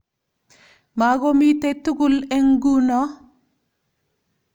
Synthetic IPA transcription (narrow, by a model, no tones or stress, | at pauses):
maɡomitetuɡuleŋɡunɔ